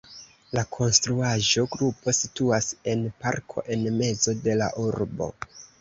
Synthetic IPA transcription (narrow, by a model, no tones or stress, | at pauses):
lakʰo̞nstɾuaʒo̞ɡɾupo̞situase̞npa̰ɾkʰo̞̰ʔe̞nme̞zo̞de̞la̰ʔuɾbo̞̰